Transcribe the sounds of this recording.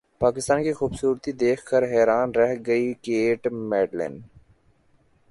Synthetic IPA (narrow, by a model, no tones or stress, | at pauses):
paːkɪst̪aːnkixuːbsuːɾt̪id̪eːkʰkəɾɦɛːɾaːnɾɛɦɡəikeːʈmɛːɖlḛn